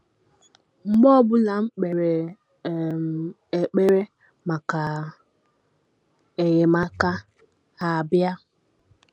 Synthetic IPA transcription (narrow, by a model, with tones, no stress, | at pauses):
ŋ͡m̩˨ɡ͡bɔ˦bʊ˦la˨ŋ͡m̩˦k͡pe˨ɾe˨ | m˨ | e˨k͡pe˦ɾe˦ | ma˨ka˨ | e˨ɣe˨ma˦ka˦ | a˨bja˦